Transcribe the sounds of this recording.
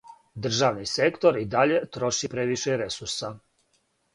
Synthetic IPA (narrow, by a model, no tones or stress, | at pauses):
d̪r̩ʒaʋnisekt̪o̞ɾid̪aʎe̞t̪ɾo̞ʃipɾeʋiʃeɾesuɾsa